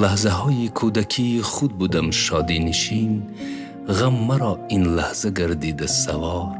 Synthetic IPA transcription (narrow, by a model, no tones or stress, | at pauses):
lahzaɦɔːjikʰud̪akʰiχud̪̚bud̪amʃɔd̪iniʃin | ʁamːaɾɔinlahzaɡaɾd̪id̪asavɔɾ